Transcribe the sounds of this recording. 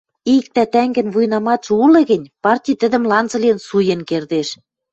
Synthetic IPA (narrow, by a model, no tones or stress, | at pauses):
ik̚t̪æt̪æŋɡɘ̆nvujnɑmɑʃulɤ̆ɣɘ̆nʲpɑrtʲijt̪ə̆d̪ə̆mlɑnzɤ̆lensujĕnkerd̪eʃ